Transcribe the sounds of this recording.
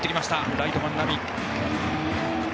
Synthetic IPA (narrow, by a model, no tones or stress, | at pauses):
t̪ːekʲimast̪aɾajt̪omanːabi